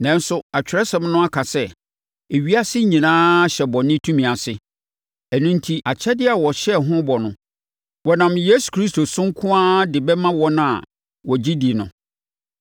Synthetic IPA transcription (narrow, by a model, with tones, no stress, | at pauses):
nã˦n˦sʊ˦a˨t͡ɕᶣɪ˨ɾɛ˦sɛ̃˨˦m˦nʊ̃˦a˦kʰa˨sɛ˦ | e˨ɥi˦a˦sɪ˦ɲĩ˨nãː˦ɕɛ˨bɔ̃˨nɪ̃˦tʰũ˦mĩ˨a˨sɪ˦ | ɛ˨nũ˦n̩˦tʰi˦ʔa˨t͡ɕʰɛ˦dɪ˦a˨wɔ˨ɕɛ˦˨ɦʊ̃˦bɔ˨nʊ̃˨˦ | wɔ˨nã˨mje˦su̥˨kʰɾi˦stʰo˨sʊ̃˦ŋ̩˦kʰʊ̃˦ã˦dɪ˨bɛ˦mã˦wɔ̃˦nã˦a̰˨ | wɔ˨d͡ʑi˦di˨nʊ̃˨